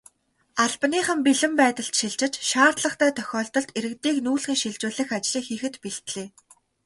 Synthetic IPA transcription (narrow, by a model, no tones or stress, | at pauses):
aɮpniːχə̆mpiɮɘ̆mpæːt̪ə̆ɬt̪ʃiɮt͡ɕɪ̆t͡ɕʃaːrt̪ɮə̆χt̪ʰæːt̪ʰœxʲɔːɬt̪ɞ̆ɮt̪eɾɘ̆kt̪iːknuːɮxĭːŋʃiɮt͡ɕʊːɮɘ̆xat͡ɕɮiːxiːxɘ̆t̪piɬt̪ɮeː